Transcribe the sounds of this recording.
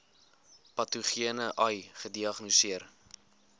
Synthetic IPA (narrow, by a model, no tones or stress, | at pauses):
pɐtuχiənəʔɐjχədiɐχnusiər